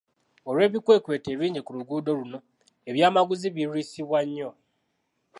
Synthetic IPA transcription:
o̞ɾwe̞ːβikwe̞ːkwe̞ːte̞ːβiːɲɟikuɾuɡuːdo̞luno̞ | eβjaːmaɡuziβiɾuisiβwaɲːo

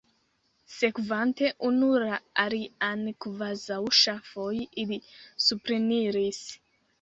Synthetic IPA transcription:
sekuvanteʔunuɾaaɾianikuvazawuʃafojiʔːðisupɾiniɾisi̥

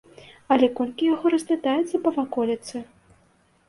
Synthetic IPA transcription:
ɐlʲɛkɔlʲkʲijaɣɔɾɐzʲvʲat̪ajɛt̪sɐpɐvakɔlʲɐt̪sɨ

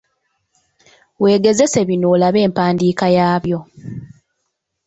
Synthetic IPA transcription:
we̞ːɡe̞ze̞se̞βinoːlaβe̞ːmpaːndiːkajaːβjo̞

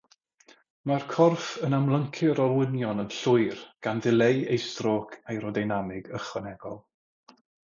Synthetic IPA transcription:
markʰɔrfənamlˠəŋkʰɪɾɔwɪnjɔnənɬʊɨrɡ̥anðɪlˠejejstrokʰajɾɔdajnamɪɡəχɛnɛɡ̥ɔlˠ

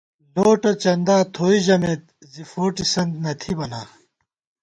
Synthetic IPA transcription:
loːʈɐt͡ɕɐnd̪aːt̪ʰoːiʑɐmet̪̚ | zifoːʈisɐnd̪nɐt̪ʰibɐnaː

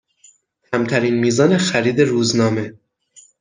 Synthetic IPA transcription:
hʰæmt̪ʰæɾiːnmiːzɒːne̞xæɾiːd̪e̞ɾuːznɒːme̞

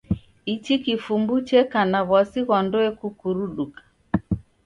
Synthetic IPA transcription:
it͡ʃikifumbut͡ʃɛkanaβwasiɣɔndɔɛkukuɾuɗukḁ

